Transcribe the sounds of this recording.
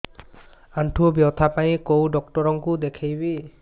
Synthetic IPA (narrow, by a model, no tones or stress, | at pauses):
anʈʰubjɔwt̪ʰapaĩkowɖɔk̚tɔɹɔŋkud̪ekʰejbi